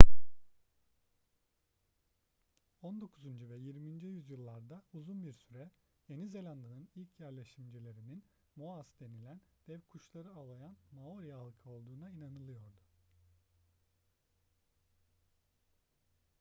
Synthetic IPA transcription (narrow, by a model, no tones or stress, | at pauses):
o̞nd̪o̞kʰuzund͡ʒuvɛjiɾmind͡ʒɛjyzjɯlˠːaɾd̪auzunbiɾsyɾɛ | je̞nize̞lʲand̪ɯnɯnilʲcʰjæɾlʲe̞ʃimd͡ʒilʲe̞ɾinin | moasd̪e̞nilʲænd̪̥ɛvkʰuʃlˠaɾɯalˠajanmaoɾijaalˠkʰo̞lˠd̪uːnainanɯlˠɯjo̞ɾd̪u